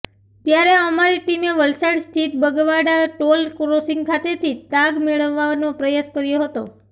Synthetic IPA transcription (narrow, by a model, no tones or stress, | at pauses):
t̪jaɾeəmaɾiʈimeʋəlsaɽst̪ʰit̪̚bəɡʋaɽaʈolkɾosɪ̃ŋɡkʰat̪et̪ʰit̪aɡmeɭəʋːanõpɾəjaskəɾjoɦət̪o̰